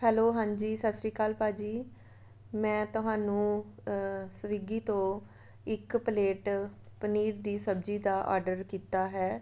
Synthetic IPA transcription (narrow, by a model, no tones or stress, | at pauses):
hɛːloːɦãːɲd͡ʒiːsaːsɾiːkaːlpaːd͡ʒiː | mɛ̃ːt̪ʊɦãːnũː | səʋiɡiːt̪õː | ɪkpəleːʈ | pəniːɾd̪iːsəbd͡ʒiːd̪aːʔɔ̰ːɾɖəɾkiːt̪aːɦɛː